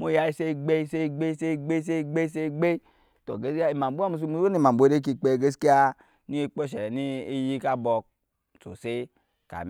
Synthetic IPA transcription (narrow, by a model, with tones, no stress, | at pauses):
mo˦ja˦i˦se˦i˨ɡ͡be˦se˦ɡ͡be˦se˦ɡ͡be˦s̬e˦i˦ɡ͡be˦s̬e˦i˦ɡ͡be˦ | to̰˨ɡe˦sa˦i˨ma˨m˨bu˦a˦mu˨s̬u˦mu˦o˦i˨ma˨m˨bo˨˦ɾe˦k̬i˨k͡pe˦˨ɡe˦si˦a˦ | ni˦k͡po˦ʃ̬e˨ni˦i˦ji˦ka˦bo˨k | so̰˨se˦ | ka̰˨m